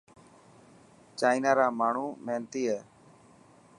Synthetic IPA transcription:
t͡ʃaːɪnaːɾaːmaːɳ̤uːmɛːnt̪iːɦɛː

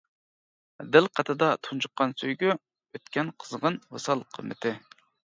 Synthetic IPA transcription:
d̪ɪlˠqʰɑt̪ʰɨd̪ɑt̪ʰunt͡ʃʰuqːɑnsøjɡʲy | øt̪kʲʰɛnqʰə̥zʁənwɑsɑlˠqʰə̰mːɪ̰t̪ʰɪ

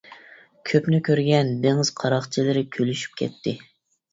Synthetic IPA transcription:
kʲʰøpnɪkʲøɾɡʲɛnbeŋɨz̥qʰɑɾɑχt͡ʃʰilɪɾɪkʲʰølyʃy̥p̚kʲʰɛ̰t̪ʰːɪ

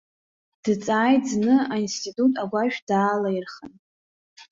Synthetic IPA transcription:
d̥ɨt͡sʼaːjtznɨainstʰʼitʼutʼaɡʷaʒᶣdaːlajirχən

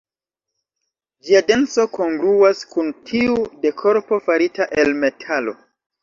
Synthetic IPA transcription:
d͡ʒiade̞nso̞ko̞ŋɡɾuaskuntʰiude̞kʰo̞ɾpo̞faɾitaʔe̞lme̞tʰalo̞̰

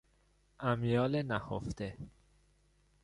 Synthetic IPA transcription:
ʔæmjɒːlenæhoft̪e

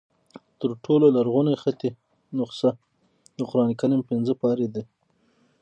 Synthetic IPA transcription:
t̪əɾʈʰololaɾɣunexat̪e | nʊqsa | d̪əqʊɾɑnekanimpɪnzəpɑɾed̪e

